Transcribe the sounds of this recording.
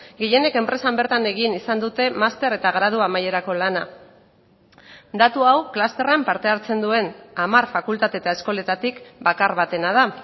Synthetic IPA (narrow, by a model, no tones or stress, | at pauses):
ɡije̞ne̞ke̞mpɾe̞sambe̞ɾt̪ane̞ɣinisand̪ut̪e̞mast̪e̞ɾe̞t̪aɣɾað̞uamaje̞ɾako̞lana | d̪at̪uawklast̪e̞rampaɾt̪e̞aɾt͡se̞nd̪ue̞namarfakult̪at̪e̞t̪ae̞sko̞le̞t̪at̪ikbakaɾβat̪e̞nað̞a